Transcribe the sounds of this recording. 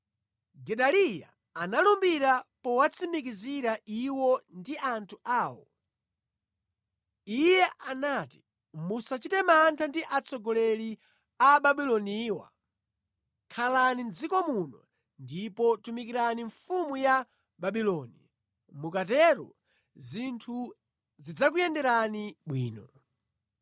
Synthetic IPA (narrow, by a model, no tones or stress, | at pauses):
ɡɛɗalija̰ː | nalumbiɾapɔwat͡sʰimik̬iziɾaiwɔndiʔantʰuaːwɔ | ijɛanati̥ | musat͡ʃitɛmantʰandiʔat͡sʰɔɡɔlɛli | aɓaɓilɔniːwa̰ | kʰalanind͡zikɔmunɔ | ndipɔtumikiɾaniɱfumuja | baɓilɔni | mukatɛɾɔ̰ | zintʰu | zid͡zak̬ujɛndɛɾaniɓwḭːnɔ